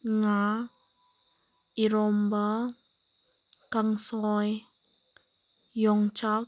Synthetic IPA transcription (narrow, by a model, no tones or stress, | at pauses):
ŋa | iɾɔmba | kaŋsɔj | jɔŋt͡ʃak̚